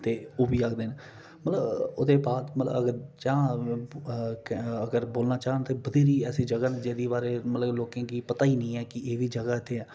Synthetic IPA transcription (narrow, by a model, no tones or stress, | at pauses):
t̪eːoːbiːaːkʰd̪eːne | mət̪ləbʊd̪eːbaːt̪mət̪lə̰bəɡəɾt͡ʃãː | kəɡəɾboːlnaːt͡ʃaːɦnt̪eːbəd̪eːɾiːɛːsiːd͡ʒəɡaːned͡ʒeːd̪iːbaːɾeːmət̪ləbloːkẽːkiːpət̪aːiːnĩːɛːkɪeːʋiːd͡ʒəɡaːɪt̪ʰːeːɛː